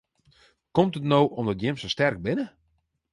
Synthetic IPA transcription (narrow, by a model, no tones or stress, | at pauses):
kɔmtətnowʔɔmdɔtjɪmsostɛrk̚bɪnə